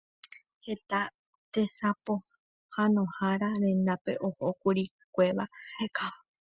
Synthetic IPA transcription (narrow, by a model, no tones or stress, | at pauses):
het̪a | t̪esapo̞ | hanõ̞haɾaɾẽ̞nd̪ape̞̰ʔo̞hokuɾi | kʷe̞ʋaheka